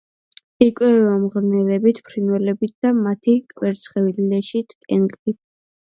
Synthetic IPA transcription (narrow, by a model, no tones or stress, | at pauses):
ikʼwɛvamʁɾnɛlɛbit̪ʰpʰɾinwɛlɛbit̪̚ʰd̪̥amat̪ʰikʼwɛɾt̪sʰχɛvillɛʃit̪ʰkʼɛnkʼlit̪̚ʰ